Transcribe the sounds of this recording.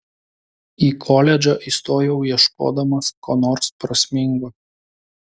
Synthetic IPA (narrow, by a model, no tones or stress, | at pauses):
iːkʰɔlʲɛd͡ʒʲoʔiːˑst̪oːjɛʊjiɛʃko̰ːd̪ɐmɐskoːnoːɾspɾɐsʲmʲɪŋɡo